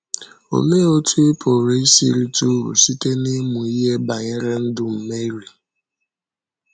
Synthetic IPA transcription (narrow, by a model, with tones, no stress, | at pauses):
o̰˨le˦o˦tʰu˦e˦pʰo˨ɾe˦i˦sḭ˦ɾi˦tu˦ṵ˨si˦te˦ni˦mu˨i˦ɦe˦ba˨ɲe˦ɾe˦n̩˦dʊ˦m̩˨me˦ɾi˨